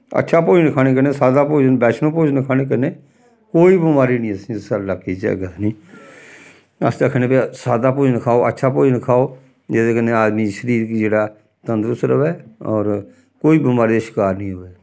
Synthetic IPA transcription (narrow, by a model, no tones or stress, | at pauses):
ə̰tːʃʰaːpoːd͡ʒnɪkʰaːñeːk̬əɾneːsaːd̪aːpoːd͡ʒnbɛːt͡ʃnõːpoːd͡ʒnəkʰaːñeːk̬əɾneː | koːiːbɪmaːɾiːnĩːəsĩːsəlakiːd͡ʒḛɡəsnĩː | ə̰st̪əkʰəneːpasaːd̪aːpoːd͡ʒnəkʰaːoːʔə̰tːʃʰaːpoːd͡ʒnəkʰaːoː | d͡ʒɛːseːkəneaːd̪mĩːʃəɾiːɾkːd͡ʒeːɽaː | t̪ə̃nd̪ɾʊst̪ɾəʋɛːɔːɾ | koːiːbɪmaːɾiʃɪ̥kaːɾnĩːɦoʋɛː